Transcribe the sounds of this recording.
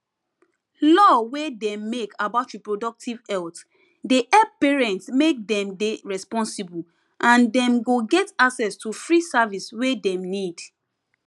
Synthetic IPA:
lɔwedɛ̃mekʰabaʊtɹipɹodɔk̚tʰivɛlt | deʔɛpeɹɛ̃ntsmek̚dɛ̃mdeɹɛspɔ̃nsibu | ʔãndɛ̃mɡoɡɛtaksɛstufɹisaviswedɛ̃mnid

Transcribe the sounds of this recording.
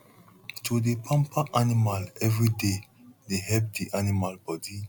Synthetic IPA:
tʰudepʰãmpaʔanimalɛvɹide | deɦɛp̚diʔanimalbɔdi

